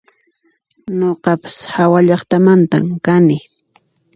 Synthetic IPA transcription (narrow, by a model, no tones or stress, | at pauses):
ɲoqɑpḁshawaʎɑχt̪amant̪a̰mkanɪ